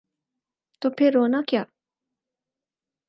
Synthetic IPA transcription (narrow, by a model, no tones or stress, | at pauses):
t̪opeɾonakʲa